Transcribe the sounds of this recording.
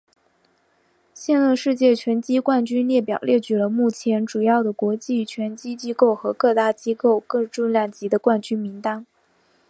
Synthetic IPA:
ɕjɛ˥˧nlə˥˧ʂɻ̩˥˧t͡ɕjɛ˥˩t͡ɕʰɥɛ˧˥nt͡ɕi˥kwa˥˩nt͡ɕy˥nljɛ˥˩pjɑ˨˩ʊljɛ˥˩t͡ɕy˨˩lə˦mu˥˩t͡ɕʰjɛ˧˥nʈ͡ʂu˨˩jɑ˥˩ʊd̪ə˩kwɔ˧˥t͡ɕi˥˩t͡ɕʰɥɛ˧˥nt͡ɕi˥t͡ɕi˥ko˥˩ʊxɤ˧˥kɤ˥˧t̪a˥˩t͡ɕi˥ko˥˧ʊkɤ˥˧ʈ͡ʂʊ˥˧nljɑ˥˩ŋt͡ɕi˧˥d̪ə˧kwa˥˩nt͡ɕy˥nmi˧˥ŋt̪a˥n

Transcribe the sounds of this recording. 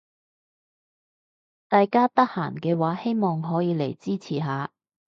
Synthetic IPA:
t̪aː˨jkaː˥t̪ɐ˥k̚haː˨˩nkɛː˧waː˨˥he˥jmɔː˨ŋɦɔː˨˥jiː˨˧le˨˩jt͡siː˥t͡sʰiː˨˩ɦaː˨˧

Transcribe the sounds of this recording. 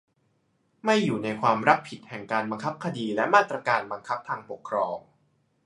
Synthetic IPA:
ma˥˩jːuː˨˩na˧jkʰwaː˧mɾa˦˥pʰi˨˩t̪̚hɛ˨˩ŋkaː˧nba˧ŋkʰa˦˥p̚kʰa˧diː˧lɛ˦˥ʔmaː˥˩t̪ɾa˧kaː˧nba˧ŋkʰa˦˥p̚t̪ʰaː˧ŋpo˨˩kʰːɾɔː˧ŋ

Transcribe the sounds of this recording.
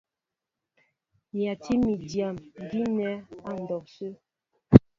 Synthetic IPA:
ja˨ti˦mi˨dja˨m˨ɡi˦nɛ˦a˨n̩˨dɔ˨k̚sə˦

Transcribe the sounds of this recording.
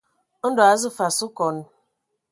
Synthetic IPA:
n̩˦dɔ˨a˨zʊ˦fa˨sʊ˦kɔ˨n̩˦

